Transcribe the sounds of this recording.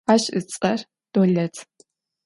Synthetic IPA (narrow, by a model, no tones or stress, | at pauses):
aːɕɨt͡sʼɐr | d̥oɮɐtʰ